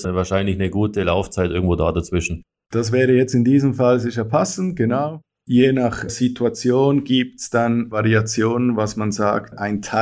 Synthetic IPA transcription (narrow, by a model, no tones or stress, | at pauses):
svaːɐʃaɪnlɪçnəɡuːtəlaʊft͡saɪtʔɪɐɡŋ̩tvoːda̰ːdat͡sv̥ɪʃn̩ | d̥asvɛːʁəjɛt͡stɪndiːzəmfalzɪç̬ɐpʰasn̩tɡ̥enaʊ | jeːnaχz̥itʰuat͡sjoːnɡiːp̚tsd̥anvaʁiat͡sjoːnənvasmanza̰ːktʔaɪntʰa